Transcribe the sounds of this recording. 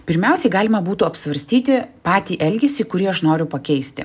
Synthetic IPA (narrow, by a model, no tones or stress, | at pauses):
pʲɪɾʲmʲɛˑʊsʲɛɪɡɑːlʲɪmɐbuːt̪uːɐpsʋɐɾʲsʲt̪ʲiːt̪ʲɪpɑːt̪ʲiːʔɛlʲɡʲɛsʲɪkʊɾʲiɛɐʃnoːɾʲʊpɐkʲɛɪsʲt̪ʲɪ̰